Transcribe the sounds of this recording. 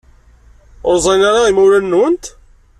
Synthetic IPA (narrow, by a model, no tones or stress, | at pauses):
oɾzˤinaɾaimuɾænːwənt̪